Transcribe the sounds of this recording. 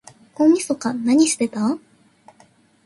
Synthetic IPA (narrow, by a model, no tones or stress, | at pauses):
kõmʲisokanaɲ̟isɨ̥b̪e̞t̪a